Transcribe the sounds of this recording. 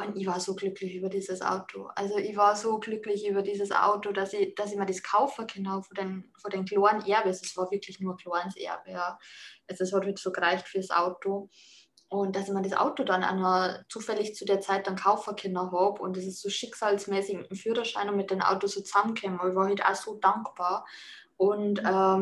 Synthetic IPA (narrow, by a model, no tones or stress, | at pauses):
ʔʊntɪçvaːɐzoːɡlʏklɪçyːbɐdiːzəsʔa̰ʊtʰo̰ʔa̰lzoʔɪçvaːɐzoːɡlʏklɪçʔyːbɐdiːzəsʔa̰ʊtodasɪd̥asɪçmadiːskʰaʊfɐkʰɪnɔːbfodenfoːɐdeːnkloːɐnʔɛɐbəsd̥ɛsv̥aːɐvɪɐkʰlɪçnuːɐkloːɐnsʔɛ̰ɐbəjaːʔalzoshɔthyːtsoːɡəʁaɪçtfyːɐsʔa̰ʊto | ʔʊnt̚d̥asɪçmadisʔa̰ʊtodanʔa̰nɐt͡suːfɛlɪçt͡sudeːɐt͡saɪt̚d̥ankʰaʊfɐkʰɪnɐɦɑːbʊ̰ntɛs̬ɪsz̥oːʃɪksaːlsmɛːsɪçmɪmfyːʁɐʃaɪnʊntmɪt̚d̥eːmʔa̰ʊtosoːt͡sz̥amənkʰɛːmɔçvaːhitʔa̰z̥oːd̥aŋkb̥aːɐ | ʔʊntɛː